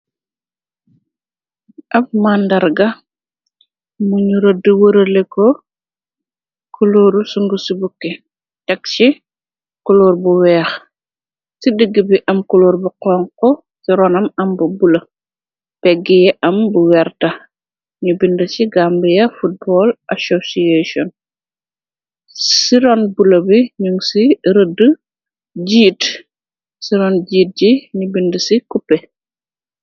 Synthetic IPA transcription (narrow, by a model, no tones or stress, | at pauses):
ʔɐf̚maːndɐɾɡɐ | muɲuɾɐdəwəɾɐlekɔ | kʰuluːɾusuŋɡusibukːɛ | tɛkt͡ʃi | kuluːɾbuwɛːx | sidəɡibiʔɐmkuluːɾbuqɔːŋkɔ | siɾɔnɐmɐmbɐbulɐ | pɛɡːijɛʔɐmbuwɛrtɐ | ɲubindəsiɡambijɐfut̚bɔlʔasosiesɔn | siɾɔnbulɐbiɲuŋsiɾədə | ɟiːt | siɾɔnɟiːt̚ɟiɲubindəsikupːɛ